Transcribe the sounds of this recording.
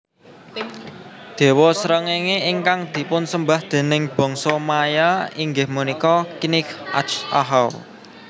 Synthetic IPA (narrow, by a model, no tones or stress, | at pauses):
d̪̥e̤wɔsɾəŋeŋeiŋkaŋd̪̥i̤pʊnsəmbahd̪̥e̤nɪŋb̥ɔ̤ŋsɔmajaiŋɡɪhmunikɔkinɪkʔa̰t͡ʃa̰ɦaw